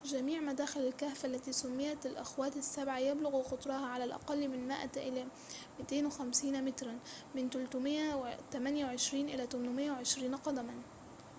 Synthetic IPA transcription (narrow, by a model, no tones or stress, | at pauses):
d͡ʒamiːʕmad̪aːxɪlalkaːfaʔlːat̪isʊmːɪjːat̪alʔaxwaːt̪ɪsːabʕajablʊɣuxʊt̪ˤɾˤɑhaʕalalʔɑ̰qɑlːmɪnmaʔaʔɪla | mɪt̪eːnwɪxamsiːnmɪt̪ɾˤan | mɪnt̪ʊlt̪ʊmɪat̪amanjawʕɪʃɾiːnʔɪlat̪ʊmnmɪjːawʕɪʃɾiːnqɑd̪aman